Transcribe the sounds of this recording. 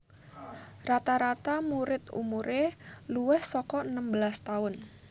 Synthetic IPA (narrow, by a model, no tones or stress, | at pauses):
rat̪aɾat̪amuɾɪt̪ṵmuɾʔeluwɪhsɔkɔənəmbəlast̪aʊn